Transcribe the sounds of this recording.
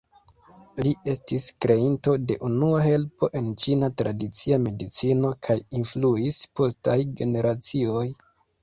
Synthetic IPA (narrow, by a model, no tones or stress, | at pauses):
lie̞stiskɾe̞into̞de̞ʔunuaɦe̞lpo̞ʔe̞nt͡ʃinatɾadit͡siame̞dit͡sino̞kʰajinfluispo̞stajɡe̞ne̞ɾat͡sio̞j